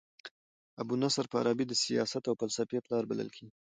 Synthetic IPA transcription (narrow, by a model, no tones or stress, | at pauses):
abunasaɾpəa̰ɾɑbid̪əsijɑsat̪awpalsapeplɑɾba̰lə̰lkʰe